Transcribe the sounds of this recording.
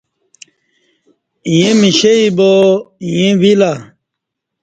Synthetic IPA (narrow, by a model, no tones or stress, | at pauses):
jẽmiɕeibojẽwila